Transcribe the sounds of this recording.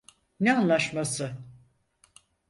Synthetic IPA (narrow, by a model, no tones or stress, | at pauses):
nɛanlˠaʃmasɯ